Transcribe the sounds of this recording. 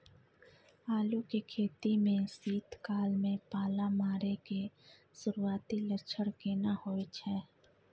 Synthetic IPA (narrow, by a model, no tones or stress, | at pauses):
aːlukekʰeːt̪imẽsiːt̪kaːlmẽpaːlamaːɾeke | sʊɾuaːt̪ilət͡ʃʰəɽkeːnahoːet͡ʃʰɛː